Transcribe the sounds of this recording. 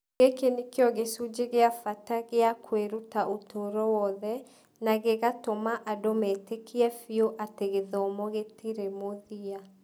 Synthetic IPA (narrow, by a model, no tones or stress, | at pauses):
ɣekenikjɔɣesud͡ʑeɣeafataɣeakʰweɾutaʔotʰoɾɔwɔðɛ | naɣeɣatomaʔadometekʰiɛfioʔateɣeðɔmɔɣetiɾemoðia